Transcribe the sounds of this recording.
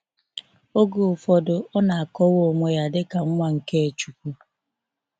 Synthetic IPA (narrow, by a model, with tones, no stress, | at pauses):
o˦ɡu˨fɔ˨dʊ˨ɔ˦na˨a˨kɔ˦wo˦˨ŋʷe˦ja˦dɪ˦ka˨ŋ̩˦ŋʷa˦ŋ̩˨ke˦e˨t͡ʃu˨k̚ʷu˦